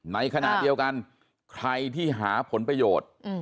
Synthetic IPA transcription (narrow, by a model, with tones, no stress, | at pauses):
na˧jkʰa˧na̰˨˩i˧əwka˧n | kʰɾa˧jt̪ʰiː˥˩ɦaː˩˦pʰo˩˦npɾa˧joː˨˩t̪̚ː